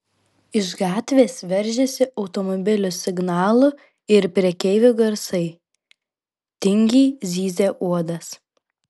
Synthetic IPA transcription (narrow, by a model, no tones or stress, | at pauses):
ɪʒɡɑːt̪ʲʋʲeːsʋʲɛɾʲˑʒʲɛsʲɪʔɒʊt̪ɔmɔbʲɪlʲʊsʲɪɡnɑːlˠʊ | ɪɾpʲɾʲiɛkʲɛɪʋʲʊɡɐɾsɐɪ | t̪ʲɪŋʲɡʲiːzʲiːzʲeːʔuɔd̪ɐs